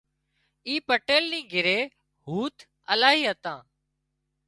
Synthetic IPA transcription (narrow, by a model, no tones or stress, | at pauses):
iːpəʈeːlnĩːɡʱɪɾeː | ɦuːt̪ | əlaːɦiːɦət̪ãː